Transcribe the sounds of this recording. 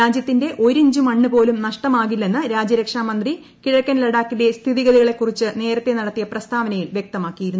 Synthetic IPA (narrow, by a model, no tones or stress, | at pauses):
aːd͡ʑjɐt̪ːinde̞ʔo̞ɾeɲd͡ʑumɐɳːɨpo̞ːlumnɐʂʈɐmaːɣilːe̞nːɨɾaːd͡ʑjɐɾɐkʂaːmɐnd̪ri | kiɻɐkːɐnlɐɽaːkːilest̪ʰiðiɣɐðiɣɐɭe̞kːurit͡ɕːɨne̞ːɾɐt̪ːe̞nɐɽɐt̪ːijɐprɐst̪ʰaːʋɐnɐjiɭʋjek̚t̪ɐmaːkːijiɾunːu